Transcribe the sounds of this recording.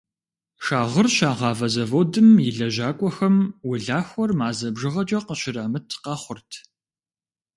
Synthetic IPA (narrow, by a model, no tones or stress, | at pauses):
ʃaːʁərɕaːʁɑːvɐzɐvodɨmjɪɮɐʑaːkʷʼɔxɐmwʊɮaːxʷɔrmaːzɐbʒɨʁɐt͡ʃʼɐqəɕɪraːmɨtʰqɑːχʷʊrtʰ